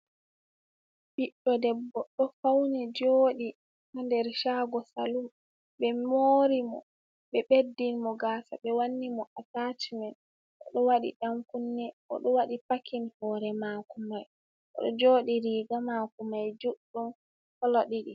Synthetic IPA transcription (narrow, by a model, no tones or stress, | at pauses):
biɗːɔdɛbːɔɗɔfawnɛd͡ʒoːɗi | handɛɾʃaɡɔsalum | ɓɛmoɾimɔ̰ | ɓɛɓedːinmɔɡaːsa̰ɓɛwanːimɔʔataːt͡ʃimɛn | ʔɔ̰ɗɔwaɗḭɗamkunːɛʔɔ̰ɗɔwaɗipakinhɔːɾɛmaːkumaj | ʔɔ̰ɗɔd͡ʒoːɗiɾiːɡamakumajd͡ʒuɗːum | kɔlɔɗiɗi